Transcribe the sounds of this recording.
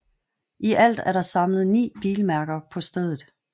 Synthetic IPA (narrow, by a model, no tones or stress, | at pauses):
ʔiʔæl̰d̥æɐɾ̥ɑ̈sɑ̈mlð̞̩ˠnḭːb̥iːlmæɐɡ̥ɐpʰɒ̽sd̥eð̞ˠð̩ˠ